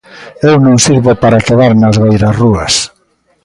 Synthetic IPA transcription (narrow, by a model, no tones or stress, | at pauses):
ewnõŋsiɾβopaɾakeβaɾnɐzβejɾasruɐs